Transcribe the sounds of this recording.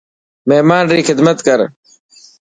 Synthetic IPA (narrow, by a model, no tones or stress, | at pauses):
meɦmaːnɾiːxɪd̪mət̪kəɾ